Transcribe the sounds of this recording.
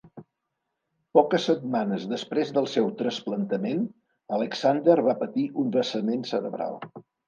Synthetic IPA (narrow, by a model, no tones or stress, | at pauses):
pɔkəsət̪̚manəzðəspɾezðəlˠsɛwt̪ɾəsplənt̪əmen | ələksand̪əɾβ̞apət̪iʔunrəsəmensəɾəβɾa̰lˠ